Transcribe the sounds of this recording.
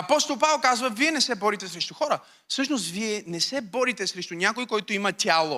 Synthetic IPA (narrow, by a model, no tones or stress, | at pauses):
ɐpɔst̪olˠpavɛlˠkazvəviɛnɛsɛbɔɾit̪ɛsɾɛʃt̪ʊxɔɾə | fsɤʃnos̬t̪viɛnɛsɛbɔɾit̪ɛsɾɛʃt̪ʊnʲakojkɔjt̪ʊimɐt̪ʲalˠo